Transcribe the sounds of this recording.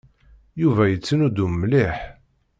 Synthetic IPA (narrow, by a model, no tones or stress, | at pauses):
juvæjət͡sːənud̪ummlɪħ